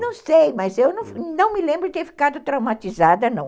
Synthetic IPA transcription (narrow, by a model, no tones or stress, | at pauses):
nɐ̃w̃sejmɐzewnɐ̃w̃nɐ̃w̃mɪlẽmbɾʊɪt̪eɾfi̥kad̪ʊt̪ɾawmat̪izad̪ɐnɐ̰̃w̃